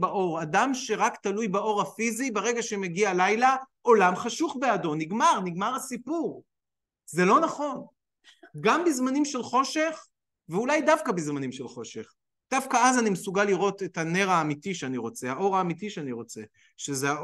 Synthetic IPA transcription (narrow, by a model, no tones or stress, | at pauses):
baʔo̞ʁadamʃe̞ʁakt̪alujbao̞ʁhafizibeʁeɡaʃemeɡialajlaʔo̞lamχaʃuχbeado̞niɡmaʁniɡmaʁasipuʁ | zelo̞naχo̞n | ɡambizmanimʃelχo̞ʃe̞χ | veulajdafkabizmanimʃelχo̞ʃe̞̰χ | d̪̥afkaazanimesuɡalːiʁo̞tetane̞ʁaːmitiʃeaniʁo̞t͡seaʔo̞ʁaːmitiʃeaniʁo̞t͡se̞ | ʃezea